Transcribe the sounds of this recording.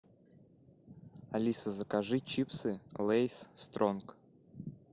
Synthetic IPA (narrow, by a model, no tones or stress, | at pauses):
ɐlʲisəzəkaʐɨt͡ɕipsɨlˠejsst̪ɾonk